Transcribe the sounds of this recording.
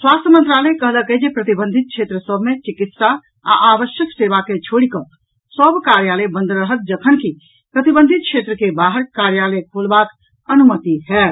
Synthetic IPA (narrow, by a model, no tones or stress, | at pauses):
swast̪ʰjəmənt̪ɾalɛkəɦləkəd͡ʒepɾət̪ibənd̪ʱit̪̚kʰʃʰet̪ɾəsəbʱmet͡ʃikit̪sa | a̰ʔabəʃjəkseβaket͡ʃʰoɽikə | səbʱkaɾjalɛbə̃nd̪ɾəɦət̪̚d͡ʒəkʰənki | pɾət̪ibə̃nd̪ʱit̪̚kʃʰet̪ɾəkebaɦəɾkaɾjaləkʰolbak | ənumət̪iɦɛ